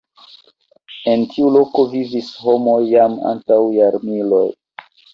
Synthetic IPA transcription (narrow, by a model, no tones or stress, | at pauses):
e̞ntʰiulo̞ko̞vivisho̞mo̞jːama̰ntawjaɾmilo̞̰j